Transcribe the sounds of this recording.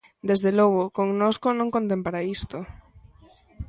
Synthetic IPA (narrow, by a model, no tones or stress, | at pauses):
d̪ezðelɔɣʊkoŋnoskonõŋkont̪empaɾaist̪o